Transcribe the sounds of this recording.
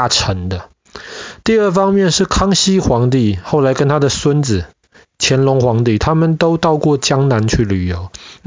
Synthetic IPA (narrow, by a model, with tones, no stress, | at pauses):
ʈ͡ʂʰə˨˧˥ŋd̪ə˨ | t̪i˥˧ə˥˩fɑ˥ŋmjɛ˥˨nʂɻ̩˥˩kʰɑ˥ŋɕi˥xwɑ˧˥ŋt̪̬i˥˨xo˥˩ʊla˧˥ɪkə˦nt̪ʰa˥d̪ə˨swə˦˥nd͡zɹ̩˨˩ | t͡ɕʰjɛ˧˥nlʊ˧˥ŋxwɑ˧˥ŋt̪i˥˨t̪ʰa˥mə˨nt̪o˥ʊt̪ɑ˥˧ʊkwɔ˥˩t͡ɕjɑ˥ŋna˧˦nt͡ɕʰy˥˩ly˨˩jo˧˦ʊ